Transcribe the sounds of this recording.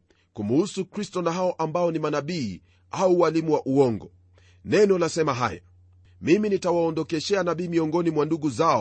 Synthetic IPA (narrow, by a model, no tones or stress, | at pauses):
kumhusukɾistɔnaɦaɔʔambaɔnimanaɓiː | auwalimuwaʔuɔŋɡɔ | nɛnɔlasɛmaɦa̰ja̰ | miminitawaɔndɔkɛʃɛanaɓiːmiɔŋɡɔnimwanduɡuzaɔ